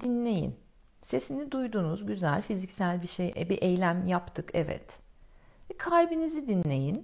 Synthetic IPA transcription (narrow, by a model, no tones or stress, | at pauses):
d̪inlʲe̞jḭn | se̞sinid̪ujd̪unuzɟyzælʲfizicsælʲbiʃejbiʔejlʲæmjapt̪ʰɯkʰɛvɛ̰t̪ | kʰaɾʲbinizid̪inlʲe̞jin